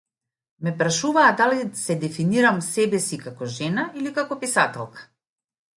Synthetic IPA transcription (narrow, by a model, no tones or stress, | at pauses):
mɛpɾaʃuvaːd̪alisɛd̪ɛfiniɾamsɛbɛsikakɔʒɛnailikakɔpisat̪ɛlˠkḁ